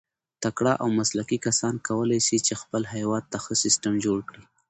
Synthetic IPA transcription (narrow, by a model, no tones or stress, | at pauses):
t̪akɽɑʔawmaslakikasɑnkawəlajsit͡ʃexpəlɦajwɑd̪̚t̪axəsɪsʈəmd͡ʒoɽkɽi